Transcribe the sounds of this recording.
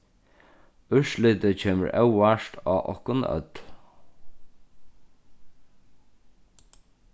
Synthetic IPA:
ʉʃlɪt̪ət͡ɕʰeːmə̰ɹʔɛwaʃt̪ʰaːʔɔ̰hkʊnœ̰t̪l

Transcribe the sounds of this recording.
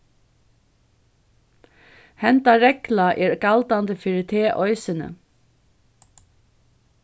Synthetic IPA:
hɛnt̪ɑɹɛklɑʔeːɹkɑld̪ɑnd̪əfɪɹɪt̪ʰeːʔɔʏsənə̰

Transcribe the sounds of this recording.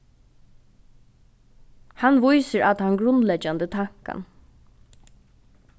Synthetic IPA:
hanʋʊjsəɾʔat̪hanɡɾʊnlɛd͡ʒand̪ət̪ʰaŋ̥ka̰n

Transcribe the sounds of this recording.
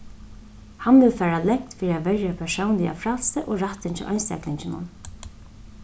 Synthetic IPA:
hanʋɪlfæːɾalɛkt̪fiːɾɪavɛɾjapʰɛsownlɪa̰fɾalsəʔoɹaht̪ɪnt͡ʃɪ̰ʔa̰jnst̪ɛ̰klɪɲt͡ɕɪnʊ̰n

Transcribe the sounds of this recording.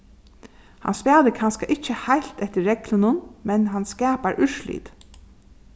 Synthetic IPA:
ha̰nspæːðəkʰanskaʔɪt͡ʃːəhajl̥t̪ɛht̪əːɛklʊnʊnmɛnɦanskɛːpaɹʔʏʂlḭːt̪

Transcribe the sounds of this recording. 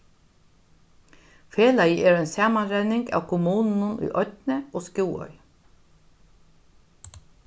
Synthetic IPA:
feːlajəʔɛːɾɛnsaːmanɾɛnɪŋka̰wkʰʊmuːnnʊnʊ̰jʔɔt̪nɪoskuːwœ̰j

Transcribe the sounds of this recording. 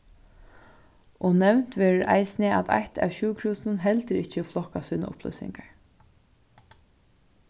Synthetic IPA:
ʔɔnɛwn̥t̪ʋeːɾɪɾʔa̰jsnɪʔa̰t̪ʰa̰ht̪ʰa̰wɕʉːkʰɾuːsnənɦɛlt̪əɾɪt͡ʃəflɔhkasuːna̰ʔʊplœ̰sɪ̰ŋkaɹ

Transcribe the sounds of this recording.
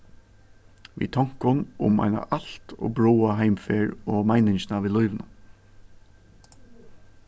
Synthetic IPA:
ʋḭːt̪ʰɔŋ̥kʊnʊ̰mæ̰ɪna̰ʔɑlt̪o̰ːbɹoːaɦæɪmfeːɹoːmæɪnɪŋʃnɑːʋɪːlɔʏʋnə

